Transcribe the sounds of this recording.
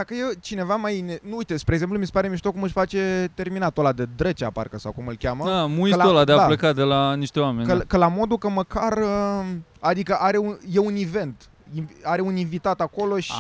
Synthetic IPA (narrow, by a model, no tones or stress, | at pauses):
d̪akəjet͡ʃine̞vamajnenuujt̪espɾeɡze̞mp̬lumisepaɾe̞miʃt̪okumɨʃʲfat͡ʃe̞t̪e̞rminat̪olad̪ed̪ɾet͡ʃea̰pa̰rkəsawkumɨlkʲaməamuiətlaolad̪ead̪apləkad̪e̞laniʃt̪ewame̞nʲkəkəlamo̞d̪ukəməkarə | ad̪ikəʔaɾe̞uje̞unive̞nt̪ | iaɾe̞uninvit̪at̪ako̞lo̞ʃi̥